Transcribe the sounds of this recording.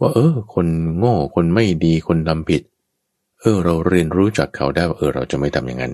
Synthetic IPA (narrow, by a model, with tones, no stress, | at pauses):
waː˥˩ʔɤː˧kʰo˧nŋɔː˥˩kʰo˧nma˥˩jdiː˧kʰo˧nda˧mpʰi˨˩t̪̚ | ʔɤː˧˩ɾa˧wɾi˧ənɾuː˦˥t͡ɕa˨˩kʰːa˦˥wdaː˥˩jwaː˥ʔɤː˧˩ɾa˧wt͡ɕa˨˩ma˥˩jt̪ʰa˧mja̰˨ŋa̰˧n